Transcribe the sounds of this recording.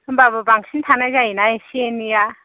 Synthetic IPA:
mbabɯbaŋsintʰanazajinajesienija

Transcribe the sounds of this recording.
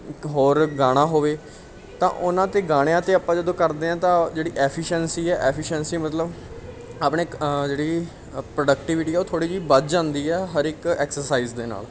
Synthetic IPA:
ɦoːɾɡaːɽ̃ãːɦoːʋeː | t̪ã̰ːʔʊnãːt̪eːɡaːɽ̃ejãːt̪eːaːpːãːd͡ʒəd̪õːkəɾd̪eːãːt̪ãːd͡ʒeːɽiːʔɛːpʰɪʃɛnsiːɛːʔɛːpʰɪʃɛnsiːmət̪ləb | aːpɳeːd͡ʒeːɽiː | pɾoːɖəkʈiːʋɪʈiːɛːoːt̪ʰoːɽiːd͡ʒiːbəd͡ʒd͡ʒãːnd̪iːɛːɦəɾɪkɛːksəɾsaːiːzd̪eːna̰ːl

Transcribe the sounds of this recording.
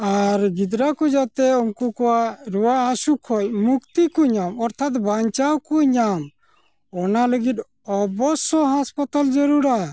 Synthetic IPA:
aɾɡid̪ɾakud͡ʒat̪ɛumkukɔwaɾuwaʔasukʰɔj̚mukt̪ikuɲamɔɾt̪ʰat̪baɲt͡ʃawkuɲam | ɔnaləɡit̪ | ɔbɔsɔɦaspɔt̪ald͡ʒɔɾuɾa

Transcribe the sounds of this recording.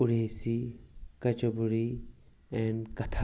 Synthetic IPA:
ʊɽeːsikɐt͡ʃɐbuɾi | ɛ̃nkɐt̪ʰa

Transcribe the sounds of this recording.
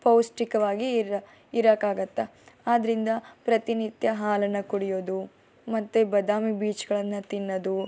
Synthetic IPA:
pɐwsʈikɐʋaːɡiː | ɾakaːɡɐt̪ːeaːd̪ɐɾind̪ɐpɾɐt̪init̪jɐɦaːlɐnːɐkuɽijo̞ːd̪u | mɐt̪ːubɐd̪aːmibiːt͡ʃɡɐɭɐnːɐt̪inːɐd̪u

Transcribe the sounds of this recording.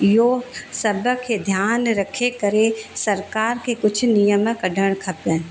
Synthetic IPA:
joːsɐbəkʰed̪ʱjaːnɾɐkʰekəɾesɐɾkaːɾkekʊt͡ʃʰnijəməkɐɖʱəɽ̃kʰɐpə̃

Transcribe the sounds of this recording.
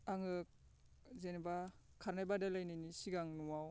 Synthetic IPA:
aŋɯk̚ | zenba | kʰːaɾnajbadalajninisiɡaŋnuwaw

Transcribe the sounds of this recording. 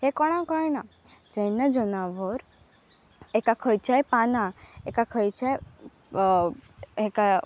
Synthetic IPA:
ɦekɔɽ̃ãkɔna | d͡ʒəjnad͡ʒənaʋɔɾ | ekakʰəjt͡ʃajpanãekakʰəjt͡ʃaj | eka

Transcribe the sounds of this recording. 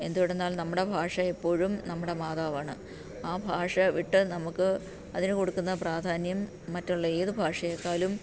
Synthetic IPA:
e̞nd̪uɽenːaːlnɐmːuɽe̞bʱaːʂɐepːo̞ːɻumnɐmːuɽe̞maːðaːʋaːɳɨ | aːbʱaːʂɐʋiʈːɨnɐmukːɨ | ɐðinɨkoɽukːunːɐpraːd̪ʱaːnjɐmː | ɐtːuɭːɐe̞ːðɨbʱaːʂɐjekːaːlum

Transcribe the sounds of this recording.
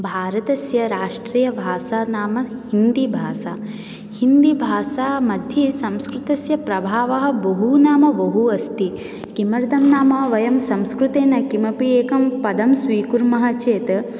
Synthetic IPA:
bʱaːɾɐt̪ɐsjɐɾaːʂʈɾiːjɐbʱaːsaːnaːmɐhind̪ibʱaːsaː | hind̪ibʱaːsaːmɐd̪ʱjɐsɐmskɾut̪ɐsjɐpɾɐbʱaːʋɐɦɐ̆bɐɦunaːmɐbɐɦuɐst̪i | kimɐɾd̪ʱɐmnaːmɐɦɐʋɐjɐmsɐmskɾut̪eːnɐkimɐpieːkɐmpɐd̪ɐmsʋiːkuɾmɐɦɐt͡ʃeːt̪

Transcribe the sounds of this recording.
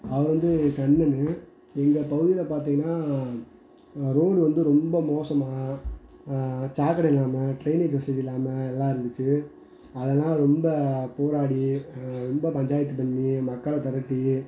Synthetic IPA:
ɐʋɐɾʋɐnd̪ɯkɐnːɐnːɯ | ɛŋɡɐpɐɣɯðɪjɪlɐpaːɾt̪̬iːŋɡɐnːaː | ɾoːɽɯʋɐnd̪ɯɾɔmbɐmoːsɐmaː | t͡ʃaːkɐɽɐɪlːaːmɐʈɾɐɪned͡ʒʋɐsɐd͡ʒɪlːaːmɐɛlːãːɪɾɯnd̪ɯt͡ʃːɯ | ɐðɛlːãːɾɔmbɐpoːɾaːɽiɾɔmbɐpɐɲd͡ʒaːjɐt̪̬ːɯp̬ɐɳːimɐkːɐlɐt̪ɐɾɐʈːi

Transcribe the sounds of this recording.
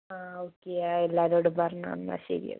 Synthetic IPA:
aːoːkːeaelːaːɾoːɽupɐɾɐɳa̰ːnːa̰ɕɐ̰ɾḭjɐ̰

